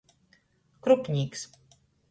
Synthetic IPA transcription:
kɾupʲɲʲiːks

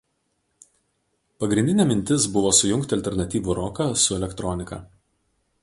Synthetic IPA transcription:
pɐɡɾʲɪ̃nd̪ʲɪnʲɛːmʲɪnʲt̪ʲɪsbʊʋoːsʊjʊŋʲkt̪ʲɪɐlʲt̪ʲɛɾnɐt̪ʲiːʋʊɾɔkɐsʊɛlʲɛkt̪ɾɔnʲɪkɐ̰ː

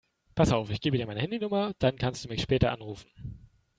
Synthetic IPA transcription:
pʰasaʊfɪçɡ̥eːbədiːmaɪnəhɛndinʊmɐd̥ankʰanstd̥uːmɪçʃpɛːtɐʔanʁuːfn̩

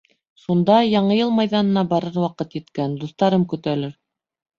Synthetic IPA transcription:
ʃund̪ɑjɑɴɤjɤlˠmɑjðɑnɤ̆nɑbɑɾɤɾwɑqɤt̪jɘ̆t̪kænd̪uθt̪ɑɾɤmkɵ̆t̪ælɘɾ

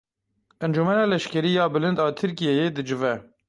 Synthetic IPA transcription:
ʔɛnd͡ʒumɛnɑːlɛʃkɛɾiːjɑːbɨlɨnd̪ɑːt̪ʰɨɾkijɛjeːd̪ɨd͡ʒɨvɛ

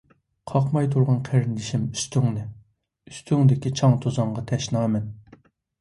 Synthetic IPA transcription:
qʰɑqmɑjt̪ʰuɾʁɑnqʰeɾɪnd̪ɪʃimy̥st̪ʰyŋnɪ | yst̪ʰyŋd̪ɪkʲit͡ʃʰɑŋt̪ʰozɑɴʁɑt̪ʰɛʃnɑːmɛn

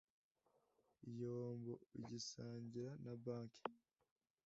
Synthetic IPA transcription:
ijoːmbo̰iɟisaːɲɟiɾanabaːŋki̥

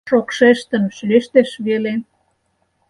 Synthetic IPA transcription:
ʃokʃeʃt̪ə̆nʃyleʃt̪eʃβele

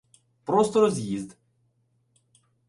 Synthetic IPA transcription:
pɾɔst̪ɔɾɔzʲjizʲd̪

